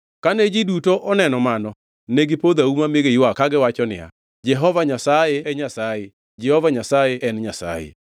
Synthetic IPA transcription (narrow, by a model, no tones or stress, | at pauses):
kaned͡ʒidutoʔɔnɛnɔmanɔ | neɡipod̪aumameɡejwakaɡɪwat͡ʃɔnɪ̰a̰ | d͡ʒɛɦɔvaɲasajeɛɲasaje | d͡ʒɛhɔvaɲasajeʔɛnɲasa̰jḛ